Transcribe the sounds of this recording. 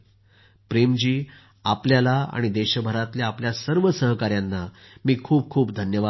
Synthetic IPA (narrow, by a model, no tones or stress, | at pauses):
pɾemd͡ʑiː | apljalaa̰ɽ̃id̪eɕbʱəɾat̪ljaːpljasəɾʋəsəɦkaɾjanːamiːkʰuːb̚kʰuːpd̪ʱənjəʋa